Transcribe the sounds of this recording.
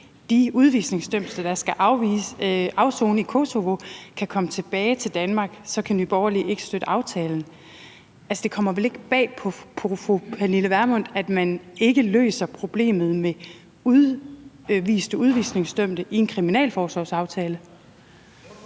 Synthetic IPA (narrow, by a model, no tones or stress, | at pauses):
d̥iuðˠʋḭːsne̝ŋsd̥øm̰̥sd̥ɑd̥ɑ̈sɡ̥æʔɑ̈ʊʋisɑ̈ʊso̝ːnəikʰo̝so̝ʋo̝kʰækʰɒ̽mət͡sʰe̝b̥ɛːɪt͡sʰe̝ld̥ænmɑ̈ːɡ̥sɒ̽kʰænʋib̥ɒʊɐliʔe̝ɡ̥ə̥sd̥ød̥əʔɑ̈ʊt͡sʰɛːln̩ | ælsəd̥e̝kʰɒ̽m̰ɐʋele̝ɡ̥əb̥ɛ̰ːpʰɒ̽pʰofopʰæniləʋæɐmɔ̽n̰d̥æd̥mæne̝ɡ̥əlø̰ːsɐpʰʁo̝b̥le̝̰ːmð̞̩ˠme | uðˠ | ʋḭːsd̥əuð̞ˠʋḭːsne̝ŋsd̥øm̰d̥əʔie̝nkʰʁiminɛ̰ːlfɒːsɒ̰ːsɑ̈ʊt͡sʰɛːlə